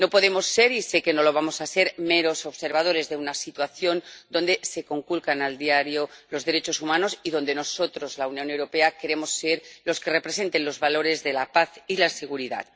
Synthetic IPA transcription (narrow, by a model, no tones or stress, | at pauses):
no̞po̞ðe̞mo̞sːe̞ɾise̞ke̞no̞lo̞β̞amo̞sase̞ɾmeɾo̞so̞βse̞ɾβað̞o̞ɾe̞zðeunasit̪waθjo̞nd̪o̞nd̪e̞se̞ko̞ŋkulkanald̪iaɾjo̞lo̞zðe̞ɾet͡ʃo̞sumãno̞siðo̞nd̪e̞no̞so̞t̪ɾo̞zlaunjõ̞newɾo̞pe̞ake̞ɾe̞mo̞sːe̞ɾlo̞ske̞re̞pɾese̞nt̪e̞nlo̞zβalo̞ɾe̞zðe̞lapaθilase̞ɣ̞uɾiða̰t̪